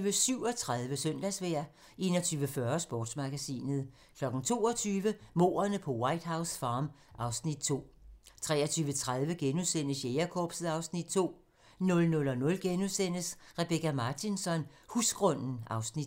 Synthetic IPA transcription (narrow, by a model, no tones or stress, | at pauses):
ʋəsyʊɒ̽t͡sʰʁaðˠʋəsœn̰d̥æsʋæɐ̰ | ʔe̝ːnɒt͡sʰyːʋəfɶɐsb̥ɔ̰ːd̥smɑ̈ɡ̥æsḭːnəð̞̩ˠ | kʰlɒ̽ɡ̥n̩t͡sʰo̝̰ːɒt͡sʰyːʋəmo̝̰ːɐnəpʰɒ̽wɑ̈ɪ̰d̥ɦɑ̈ʊsfɑ̈ːmʔɑ̈ʊsnid̥̚t͡sʰo̝̰ːt͡sʰʁɛ̰ːɐt͡sʰyːʋət͡sʰʁaðˠʋəɡ̥enuðˠsen̰əsjeɐkʰɒːb̥sð̩ˠɑ̈ʊsnid̥̚t͡sʰo̝̰ː | nɔ̽lnɔ̽lɒ̽nɔ̽lɡ̥enusen̰əsʁɛb̥ekæmɑ̈ːt͡sʰinsɒ̽n | husɡ̥ʁɔ̽n̰n̩ɑ̈ʊsnid̥